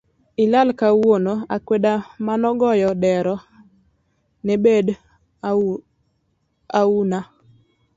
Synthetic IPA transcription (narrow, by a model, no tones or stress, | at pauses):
ɪlalkawonoakwedamanɔɡɔjɔdɛɾɔ | nɛbed | auna